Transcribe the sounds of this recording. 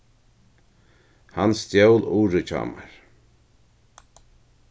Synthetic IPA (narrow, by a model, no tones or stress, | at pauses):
hanst̪jowluːɾɪt͡ʃʰa̰ːmaɹ